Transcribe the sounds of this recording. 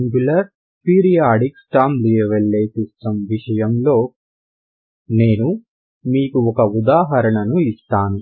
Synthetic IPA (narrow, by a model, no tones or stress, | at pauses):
ŋɡulɐɾ | piːɾijaːɖiksʈaːmlijɐʋeɭːeːsisʈɐmʋiʂɐjɐmlo̞ː | ne̞ːnu | miːkuɔkɐud̪aːɦɐɾɐɳɐnuist̪aːnu